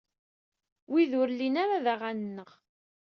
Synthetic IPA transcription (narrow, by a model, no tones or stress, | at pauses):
wiðʊɾlːinaɾaðaʁannːəʁ